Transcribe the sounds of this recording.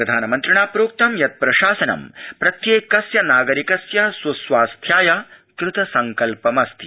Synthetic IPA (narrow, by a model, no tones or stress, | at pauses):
pɾɐd̪ʱaːnɐmɐnt̪ɾɐɳaːpɾoːk̚t̪ɐmjɐt̪̚pɾɐʃaːsɐnɐ̰mpɾɐt̪jeːkɐsjɐnaːɡɐɾikɐsjɐsusʋaːst̪ʰjaːjakɾɪt̪ɐsɐŋkɐlpɐmɐst̪ʰi